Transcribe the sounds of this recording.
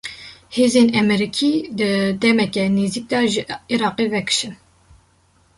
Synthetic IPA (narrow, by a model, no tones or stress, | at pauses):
heːzeːnɛmɛɾikʰiːd̪ɨd̪ɛmɛkɛneːzik̚d̪ɑːʒɨiɾɑːqevɛkʰɨ̥ʃɨn